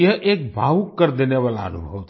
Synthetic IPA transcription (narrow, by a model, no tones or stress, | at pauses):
əʔek̚bʱaʋukːəɾd̪eneʋalaə̰nubʱəʋt̪ʰ